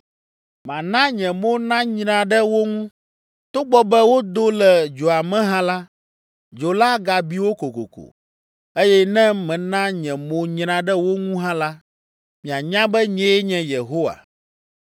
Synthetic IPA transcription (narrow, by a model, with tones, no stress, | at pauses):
mã˨nã˦ɲɛ̃˨mo˦nã˦ɲɾã˦˨ɖɛ˦wo˦ŋũ˦ | t̪o˦ɡ͡bɔ˦bɛ˦wo˦d̪o˦lɛ˨d͡ʒo˨a˨mɛ̃˦ɦã˦la˦ | d͡ʒo˨la˦ɡa˨bi˦wo˦ko˨ko̰˨ko̰˨ | e˦jɛ˦nɛ̃˦mɛ̃˨nã˦ɲɛ̃˨mo˨ɲɾã˦ɖɛ˦wo˦ŋũ˦ɦã˦la˦ | mĩ˨a˨ɲã˦bɛ˦ɲɛ̃˦ɲɛ̃˨je˨ɦo˦wa̰˨